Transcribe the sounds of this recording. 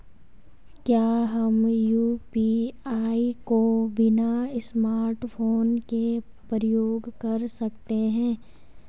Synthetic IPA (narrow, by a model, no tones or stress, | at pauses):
kjaːɦɐmjuːpiaːikobɪnaɪsmaːɾʈpʰoːnke | pəɾəjoːɡkɐɾsɐkt̪eɦɛ̃ː